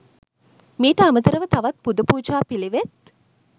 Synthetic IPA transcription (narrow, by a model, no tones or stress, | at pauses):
miːʈəamət̪əɾəʋət̪ɐʋɐt̪̚pud̪upuːd͡ʒaːpiliʋet̪̚